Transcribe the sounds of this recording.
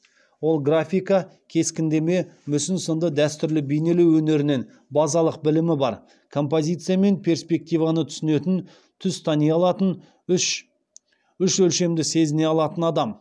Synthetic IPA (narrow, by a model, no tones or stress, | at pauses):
wo̞lˠɡrafʲijkɑ | kʲʰe̞skʲɪnd̪e̞me̞mʏsɪnsənd̪əd̪æst̪ʏɾlɪbejne̞le̞wɵne̞ɾɪnen | bɑzɑlˠəq̚bɪlɪmɪbɑɾ | kʰo̞mpo̞zʲijt̪sɨjame̞npʰʲe̞rspʲe̞k̚t̪ijvɑnət̪ʰʏ̥sɪne̞t̪ɪn | t̪ʰʏzt̪ʰɑnijɑlˠɑt̪ən | ʃ | ʏʃɵlʃe̞md̪ɪse̞zɪne̞ɑlˠɑt̪ənɑd̪ɑm